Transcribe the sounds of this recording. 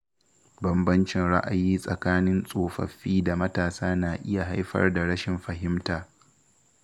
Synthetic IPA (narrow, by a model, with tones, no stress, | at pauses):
bɐ˦˨mbɐ˦nt͡ʃɪ˨nɽa̰˦ʔa˨jiː˦sʼɐ˨kaː˦nɪ˦nsʼoː˨ɸɐ̰˨ɸiː˦da˨mɐ˦taː˨saː˦naː˨ʔɪ˦ja˨ɦa˦jɸɐ̰˦rda˨ɽɐ˦ʃɪ˨mɸɐ˨ɦɪ˦mtaː˨